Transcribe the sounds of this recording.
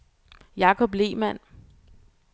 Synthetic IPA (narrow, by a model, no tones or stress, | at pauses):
jɑ̈ːkʰɒ̽b̥le̝̰ːmæn̰